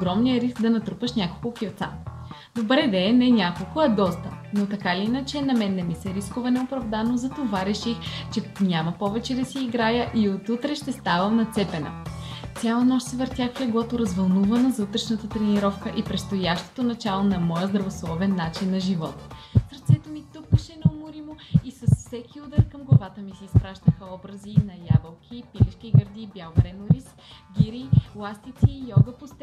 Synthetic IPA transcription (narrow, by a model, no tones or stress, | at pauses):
oɡɾɔmnijəɾisk̚d̪ɐnɐt̪ɾupəʃnʲakolˠkʊkʲiot̪sa̰ | d̪obɾɛd̪ɐɛnɛnʲakolˠkʊɐd̪ɔst̪ənot̪ɐkaliinət͡ʃɛnɐmɛnːɛmisɛɾiskovɐnɛopɾɐvd̪anozɐt̪ovaɾɛʃixt͡ʃɛnʲamɐpɔvɛt͡ʃɛd̪ɐsiːɡɾajəʔiot̪ut̪ɾɛʃt̪ɛst̪avəmnɐt̪sɛpɛnə̰t̪sʲjalˠənɔʃt̪sɛvəɾt̪ʲjaxɛɡlˠɔt̪oɾɐzvɐlˠnuvənəzut̪ɾɛʃnət̪ət̪ɾɛniɾɔfkəʔipɾɛt̪st̪ojaʃt̪o̥t̪onɐt͡ʃalˠonɐmɔjəzd̪ɾɐvoslˠɔvɛnːat͡ʃinːɐʒivɔt̪ | səɾt̪sɛt̪omit̪ukːəʃɛnɐomʊɾimoisɐsfsɛkʰʲiud̪əɾkɐmɡlˠɐvat̪əmisiːspɾaʃt̪əxəɔbɾəzinɐjavɐlˠkʰʲipiliʃkiɡəɾd̪ibjalˠvɾɛnoɾis | ɡʲiɾilˠast̪it̪siːjɔɡəpost̪ɛ